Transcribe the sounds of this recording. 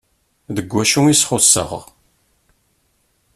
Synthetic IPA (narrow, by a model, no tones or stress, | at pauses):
ðəɡʷːæʃuisχʊsːə̰ʁ